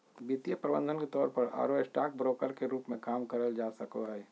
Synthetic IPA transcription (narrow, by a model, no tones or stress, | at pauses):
bit̪ijəpɾəbə̰̃nd̪ʱənket̪ɔːɾpəɾa̰ːɾosʈaːk̚bɾoːkəɾkeɾuːpmẽkaːmkəɾəld͡ʒaːsəkoɦɛː